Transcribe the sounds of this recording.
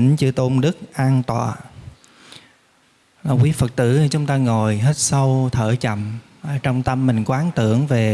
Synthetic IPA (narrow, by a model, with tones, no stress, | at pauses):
nt͡ɕɨ˧ət̪o˧nɗɨ˦˥k̚ʔaː˧nt̪wa̰ː˨˩ | laː˨˩kwi˨˦fə˨˩k̚t̪ɨ̰˧˥t͡ɕʊ˨˦ŋ͡mt̪aː˧ŋo˨˩jɦe˦˥t̚sə˧wt̪ʰəː˧˩t͡ɕə̰˧˩˨m | ʔə˧˩t͡ɕɔ˧wŋ͡mt̪ə˧mːï˨˩ŋ̟kwaː˨˦nt̪ɨ̰˧˥əŋve˨˩